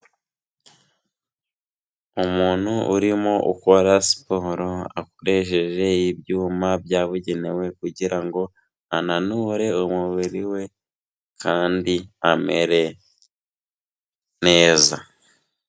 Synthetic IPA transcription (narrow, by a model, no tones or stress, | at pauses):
umuːn̥huuɾimo̞ʔṵko̞ɾasi̥poɾoakoɾe̞ʃ̬eʒe̞ibjuːmabjaːβuɟe̞ne̞we̞kuɟiɾaŋɡo̞ | ananuːɾe̞umuβiɾiwe̞ | kʰaːndiame̞̰ɾe̞ | ne̞ːza